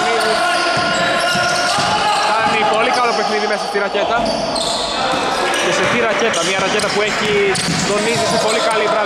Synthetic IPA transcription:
niði | kɐnipo̞likɐlo̞pe̞xniðimesɐst̪iɾɐce̞t̪ɐ | ceset̪iɾɐce̞t̪ɐmɲɐɾɐce̞t̪ɐpue̞çi | t̪o̞nizisepo̞likɐlipɾɐ

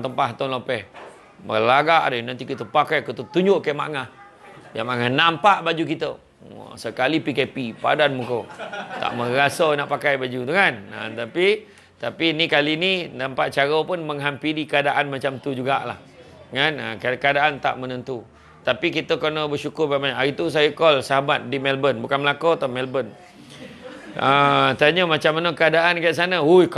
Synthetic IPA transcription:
t̪əmpaɦt̪onlopɛh | bəlaɡaʔdənant̪ikit̪əpakajkut̪ət̪uɲd͡ʒʊʔkajma̰ʔŋah | jamaŋahnampaʔbad͡ʒukit̪ə̰ | səkalipikɛpipa̰danmukowt̪a̰ʔməɾasənaʔpakajbad͡ʒut̪ukana̰t̪api | t̪apinikalinidampaʔ̪̚t͡ʃaɾopʊnməŋɦampiɾikəadaʔanmat͡ʃamt̪ud͡ʒuɡaʔla̰h | ŋanə̰kakəadaʔant̪a̰ʔmənənt̪u | t̪apikit̪əkənɔbərʃukʊrbamajaɾit̪us̬ajəkɔlsaɦabat̪̚dimɛlbənbukanməlakot̪ɔmɛlbən | ət̪aɲəmat͡ʃamːanəkəadaʔankajaʔs̬anaujk

